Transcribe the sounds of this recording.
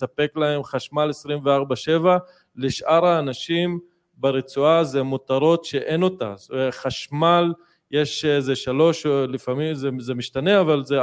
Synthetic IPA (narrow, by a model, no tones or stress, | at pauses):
sape̞klae̞mχaʃmalesʁimveaʁbaʃe̞va | leʃʔaʁaːnaʃim | beʁet͡suazemot̪aʁo̞tʃe̞ʔe̞no̞ta̰eχaʃmal | jeʃezeʃalo̞ʃlifamimzezemiʃtaneavalze